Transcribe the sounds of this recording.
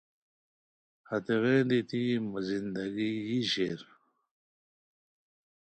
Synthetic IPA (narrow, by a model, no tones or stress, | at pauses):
hɐt̪eɣeːd̪it̪imazind̪ɐɡiiɕeɾ